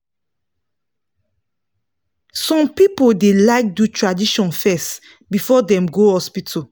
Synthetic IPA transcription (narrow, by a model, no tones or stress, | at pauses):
sɔ̃mpipodelaɪk̚dutʰɹadiʃɔ̃nfɛst | bifɔdɛ̃mɡohɔspitʰɔ